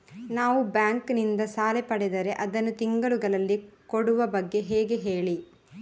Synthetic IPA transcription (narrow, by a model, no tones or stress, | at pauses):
naːʋubjaːŋknind̪ɐsaːlepɐɽɛd̪ɐɾe̞ʔɐd̪ɐnːut̪iŋɡɐɭuɡɐɭɐlːikoɽuʋɐbɐɡːe̞ɦeːɡe̞ɦeːɭi